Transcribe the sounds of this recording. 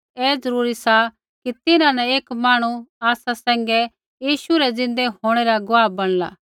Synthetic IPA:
ɛːzɐɾuːɾisa | kit̪ɪnãnɛeːkmaːɽ̃uaːsasɛ̃ːŋ̆ɡɛ | jiːʃuɾɛzɪ̃nd̪eɦoːɽ̃eɾaɡʊʋaːbɐɽ̃la̰ː

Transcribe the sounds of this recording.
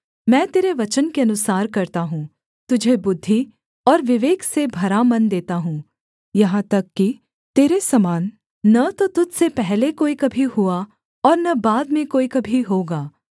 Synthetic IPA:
mɛ̃ːt̪eːɾeʋɐt͡ʃənkeɐnʊsaːɾkɐɾt̪aɦũː | t̪ʊd͡ʒʱebʊd̪ʱːi | ɔːɾʋɪʋeːksebʱɐɾamɐnd̪eːt̪aɦũː | jɐɦãt̪ɐkːi | t̪eːɾesɐmaːnː | ɐt̪ot̪ʊd͡ʒ̪ʱsepɛɦlekoːikɐbʱiɦua | ɔːɾnɐbaːd̪mẽkoːikɐbʱiɦoːɡaː

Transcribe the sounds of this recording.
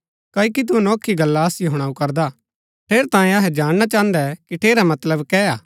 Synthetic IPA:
kaːikit̪̬unɔːkʰːiɡɐlːaɐsjoɦʊɽ̃aːukɐɾd̪a | ʈʰeːɾt̪ãːẽɐɦɛd͡ʒaːɽ̃ñat͡ʃãːə̃nd̪ɛkiʈʰeːɾamɐt̪ləbkɛaː

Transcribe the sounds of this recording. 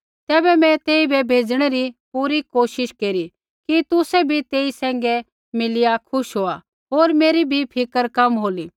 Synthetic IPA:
t̪ɛːbɛmɛ̃t̪eːibɛbʱeːd͡zɽ̃ɛɾipuːɾikoːʃɪʃkeːɾi | kit̪ʊsɛbʱit̪eːisɛ̃ːŋ̆ɡɛ | mɪlɪjakʰʊʃɦoːa | ɦoːɾmeːɾibʱipʰɪkəɾkɐmɦoːli

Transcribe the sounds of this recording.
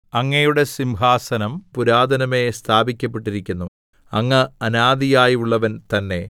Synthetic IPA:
ɐŋːɐjuɽe̞simbʱaːsɐnɐmpuɾaːd̪ɐnɐme̞st̪ʰaːbikʲːɐpːe̞ʈːiɾikʲːunːu | ɐŋːɐɐnaːd̪ijaːjuɭːɐʋɐnt̪ɐnːe̞

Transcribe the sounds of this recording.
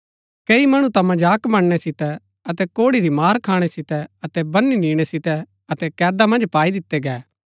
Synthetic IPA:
keːimɐɽ̃ũt̪ɐ̃mɐ̃nd͡ʒaːkmɐɽnɛsɪt̪ɛ | ɐt̪ɛkoːɽiɾimaːɾkʰaːɽ̃ɛsɪt̪ɛɐt̪ɛbɐnːiniːɽ̃ɛsɪt̪ɛ | ɐt̪ɛkɛːd̪amɐ̃nd͡ʒpaːid̪ɪt̪ːɛɡɛː

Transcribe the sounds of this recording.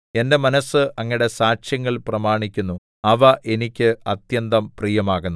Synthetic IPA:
e̞nde̞mɐnɐsɨʔɐŋːiɽe̞saːɕjɐŋːɐɭprɐmaːɳikʲːunːu | ɐʋɐʔe̞nikʲːɨɐt̪jɐnd̪ɐmprijɐmaːɣunːu

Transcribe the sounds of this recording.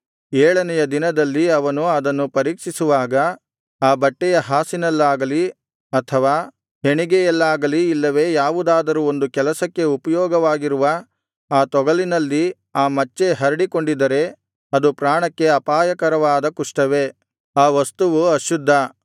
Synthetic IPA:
ɛːɭɐnɛjɐd̪inɐd̪ɐlːiɐʋɐnuɐd̪ɐnːupɐɾiːkʂisuʋaːɡɐ | aːbɐʈːɛjɐɦaːsinɐlːaːɡɐli | ɐt̪ʰɐʋaː | ɦe̞ɳiɡɛjɛlːaːɡɐliːlːɐʋe̞ːjaːʋud̪aːd̪ɐɾuo̞nd̪ukɛlɐsɐkːe̞upɐjɔːɡɐʋaːɡiɾuʋɐ | aːt̪ɔɡɐlinɐlːi | aːmɐt͡ʃːe̞ɦɐɾiɽiko̞ɳɖid̪ɐɾe̞ | ɐd̪upɾaːɳɐkːe̞ɐpaːjɐkɐɾɐʋaːd̪ɐkuʂʈɐʋe̞ | aːʋɐst̪uʋuɐʃud̪ʱːɐ

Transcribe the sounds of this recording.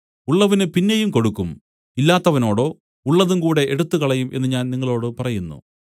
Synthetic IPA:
uɭːɐʋɐnɨpinːejumko̞ɽukːum | ilːaːt̪ːɐʋɐno̞ːɽo̞ː | uɭːɐðumkuːɽe̞ʔeɽut̪ːukɐɭɐjumʔe̞nːɨɲaːnniŋːɐɭo̞ːɽɨpɐrɐjunːṵ

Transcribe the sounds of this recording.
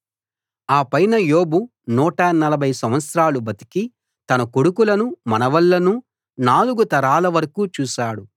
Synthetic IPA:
aːpɐjnɐjoːbu | nuːʈɐnɐlɐbʱɐjsɐmʋɐt̪sɾaːlubɐt̪i̥ki | t̪ɐnɐkoɽukulɐnumɐnɐʋɐlːɐnu | naːluɡut̪ɐɾaːlɐʋɐɾɐkuːt͡ʃuːʃaːɽu

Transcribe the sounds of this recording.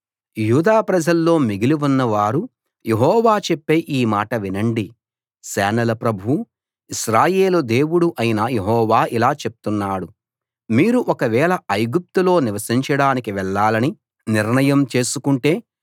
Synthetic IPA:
juːd̪aːpɾɐd͡ʒɐlːo̞ːmiɡiliʋunːɐʋaːɾu | jeɦɔːʋaːt͡ʃepːeʔiːmaːʈɐʋinɐɳɖi | sɛːnɐlɐpɾɐbʱuu | iʃɾaːje̞ːlud̪e̞ːwuɽuʔɐjinɐjeɦɔːʋaːʔilaːt͡ʃe̞p̚u̥t̪unːaːɽu | miːɾuʔɔkɐʋɛːɭɐɐjɡup̚t̪ulo̞ːniʋɐsiɲt͡ʃɐɽaːnikiʋɛɭːaːlɐni | niɾɳɐjɐmt͡ʃe̞ːsukuɳʈe̞ː

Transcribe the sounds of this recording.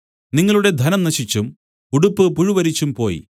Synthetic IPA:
niŋːɐɭuɽe̞d̪ʱɐnɐmnɐɕit͡ɕːum | uɽupːɨpuɻuʋɐɾit͡ɕːumpo̞ːjḭ

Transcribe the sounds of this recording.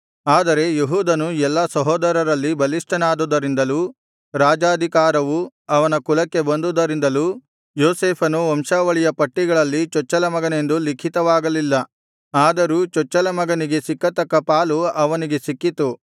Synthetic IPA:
aːd̪ɐɾe̞jeɦuːd̪ɐnuɛlːɐsɐɦɔːd̪ɐɾɐɾɐlːibɐliʂʈɐnaːd̪ud̪ɐɾind̪ɐluː | ɾaːd͡ʒaːd̪ʱikaːɾɐʋu | ɐʋɐnɐkulɐkːe̞bɐnd̪ud̪ɐɾind̪ɐluː | joːseːpʰɐnuɔmʃaːʋɐɭijɐpɐʈːiɡɐɭɐlːit͡ʃɔt͡ʃːɐlɐmɐɡɐne̞nd̪ulikʰit̪ɐʋaːɡɐlilːɐ | aːd̪ɐɾuːt͡ʃɔt͡ʃːɐlɐmɐɡɐniɡe̞sikːɐt̪ɐkːɐpaːluɐʋɐniɡe̞sikːit̪u

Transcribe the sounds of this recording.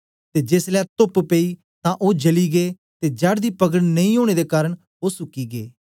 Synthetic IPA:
t̪eːd͡ʒeːslɛːt̪ʊppeːiː | t̪ãʔoːd͡ʒəliːɡeː | t̪eːd͡ʒaɽd̪iːpəɡəɽnɐĩoːɽ̃eːd̪ekaːɾəɽ̃ | oːsʊkːiːɡeː

